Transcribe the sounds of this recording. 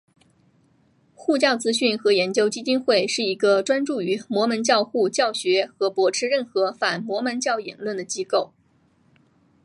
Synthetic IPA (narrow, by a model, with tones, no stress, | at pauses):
xu˥˧t͡ɕjɑ˥˩ʊt͡sɹ̩˥ɕy˥˩nxɤ˧˥jɛ˧˥nt͡ɕjo˥ʊt͡ɕi˥t͡ɕi˥nxwe˥˩ɪʂɻ̩˥˩i˧˥ɡə˧ʈ͡ʂwa˥nʈ͡ʂu˥˩y˧˥mwɔ˧˥mə˧˥nt͡ɕjɑ˥˧ʊxu˥˧t͡ɕjɑ˥˩ʊɕɥɛ˧˥xɤ˧˥pwɔ˧˥ʈ͡ʂʰɻ̩˥ɻə˥˩nxɤ˧˥fa˨˩nmwɔ˧˥mə˧˥nt͡ɕjɑ˥˩ʊjɛ̰˨˩nlwə˥˩nd̪ə˩t͡ɕi˥ko˥˩ʊ